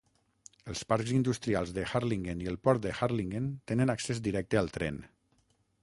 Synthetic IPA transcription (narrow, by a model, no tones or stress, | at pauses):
əlˠspaɾkzind̪ust̪ɾialˠzðəxaɾliŋɡeniəlˠpɔɾt̪̚d̪əxaɾliŋɡent̪enənaksezd̪iɾɛk̚t̪əalˠt̪ɾɛ̰n